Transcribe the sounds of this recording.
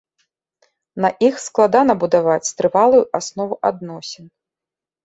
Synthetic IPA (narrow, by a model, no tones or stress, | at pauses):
nɐʔixsklˠad̪anɐbud̪avat͡sʲst̪ɾɨvalˠujuʔasnɔvuʔad̪nɔsʲɛn